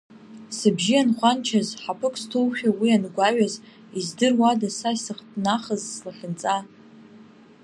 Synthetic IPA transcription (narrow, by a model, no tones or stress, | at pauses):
sɨbʒianχʷant͡ʃʰazħapʰɨkʼstʰowχʲᶣawianɡʷaɥaz | izdɨrwadasasɨχtʼnaχəzslaχʲɪnt͡sʼa